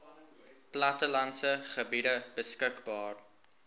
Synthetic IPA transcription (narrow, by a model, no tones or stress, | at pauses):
plɐtəlɐnsəχəbidəbəskəkbɑːr